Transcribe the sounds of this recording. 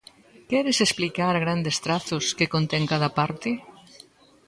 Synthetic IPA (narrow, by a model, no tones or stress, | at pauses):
kɛɾɪsesplikaɾɣɾand̪est̪ɾaθʊskɪkont̪ɛŋkað̞ɐpaɾt̪ɪ